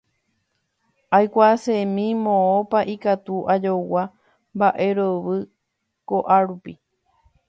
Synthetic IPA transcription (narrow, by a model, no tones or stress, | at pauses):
ajkʷasẽmĩmõõpaʔikat̪uʔad͡ʒowa | mbaʔe̞ɾoβɨ | koʔaɾupi